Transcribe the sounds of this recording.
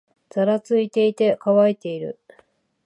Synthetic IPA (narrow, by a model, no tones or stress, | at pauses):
d͡zaɾat͡sɨit̪e̞it̪e̞kaβait̪e̞iɾɯ̟